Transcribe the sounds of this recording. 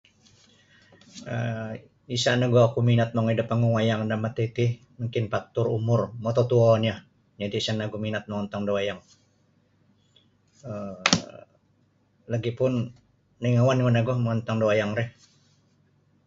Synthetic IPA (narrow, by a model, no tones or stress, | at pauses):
ə̰ | isaʔnaɡuakuminat̪̚maŋidapaŋuŋwajaŋdamat̪et̪ih | məŋkɪnpak̚t̪ʊrṵmʊrmɔt̪ɔt̪uanija | d͡ʒadisanaɡuminat̪̚maŋɔnt̪aŋdowajaŋ | ə | laɡipʊnː | iŋawanwanaɡɔhmaɔnt̪aŋdowajaŋɾɛh